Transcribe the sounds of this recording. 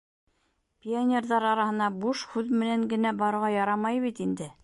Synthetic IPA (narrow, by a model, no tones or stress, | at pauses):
pʲianʲerðɑɾɑɾɑhɤ̆nɑbuʃhʉðmɘ̆næŋɡɘ̆næbɑɾɤ̆ɾʁɑjɑɾɑmɑjβit̪ind̪ɘ